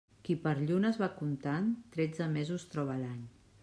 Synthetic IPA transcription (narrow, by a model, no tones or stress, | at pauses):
kipəɾʎunəzβakunt̪ant̪ɾɛd͡zəmezust̪ɾɔβ̞əlaɲ